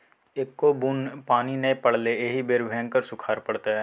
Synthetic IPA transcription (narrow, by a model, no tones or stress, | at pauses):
ekːobunpaːninepəɽ̤leeːɦibeːɾbʱɛ̃ːŋkəɾsʊkʰaːɾpɐɽt̪aɦɛː